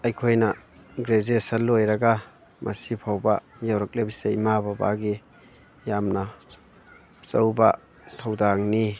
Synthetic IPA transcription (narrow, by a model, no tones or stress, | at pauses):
ɐjkʰojnɐɡɾezesɐlojɾaɡa | mʔɐ̰sipʰawbajawɾɐk̚lebiseimababa̰ɡi | jamnɐ | sɐwba | tʰawdaŋni